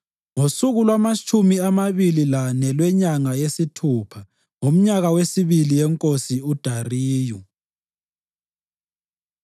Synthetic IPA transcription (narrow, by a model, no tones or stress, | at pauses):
ŋosuɣulwamat͡ʃʼʰumiamaβililanɛlwɛɲaŋajesitʰuːpʰa | ŋom̩ɲaɣawesiβilijɛŋkʼosiud̥ʱariːju